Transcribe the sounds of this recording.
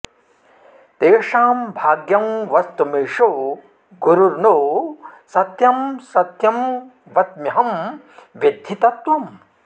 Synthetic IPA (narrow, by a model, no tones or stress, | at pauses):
t̪eːʂaːmbʱaːɡjɐmʋɐst̪umeːʂo | ɡuɾuɾnoːsɐt̪jɐmsɐt̪jɐm | ʋɐt̪mɐɦɐm | ʋjɐd̪ʱːit̪ɐt̪ʋɐm